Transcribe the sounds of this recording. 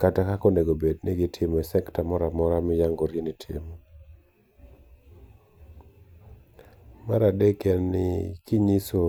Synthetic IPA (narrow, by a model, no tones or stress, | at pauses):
katakakɔneɡobedneɡɪtʰɪmɔɛsɛktamɔɾamɔɾamɪjaŋɡoɾjenitʰḭmo | maɾadekɛnɪkiɲiso